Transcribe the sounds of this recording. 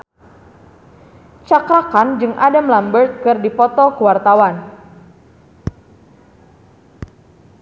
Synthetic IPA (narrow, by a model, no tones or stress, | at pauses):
t͡ʃakɾakand͡ʒɨŋʔadamlambərt̪̚kɨrdipɔt̪ɔkəwart̪awan